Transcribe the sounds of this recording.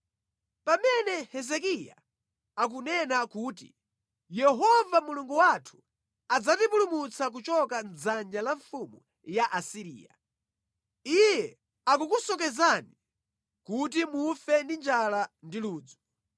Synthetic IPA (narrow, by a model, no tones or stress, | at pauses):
pamɛnɛhɛzɛk̬ija̰ | ak̬unɛnakuːtḭ | jɛɦɔvamuluŋɡuwatʰu̥ | ad͡zatipulumut͡sʰak̬ut͡ʃɔkand͡zand͡ʒalaɱfumu | jaʔasiɾḭːja̰ | ijɛ | akukusɔk̬ɛzani | kut̬imufɛndind͡ʒalandiluːd͡zɔ̥